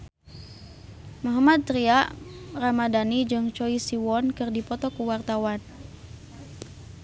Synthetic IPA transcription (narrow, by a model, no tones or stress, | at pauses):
mɔɦamad̪̚t̪ɾiaʔramadanid͡ʒɨŋt͡ʃɔisiwɔnkɨrdipɔt̪ɔkuwart̪awan